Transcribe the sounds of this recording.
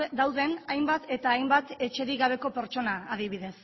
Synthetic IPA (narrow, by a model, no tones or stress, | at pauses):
d̪awðe̞najmbat̪e̞t̪aːjmbat̪e̞t͡ʃe̞ɾiɣaβ̞e̞ko̞pe̞ɾt͡ʃo̞naːð̞iβ̞iðe̞s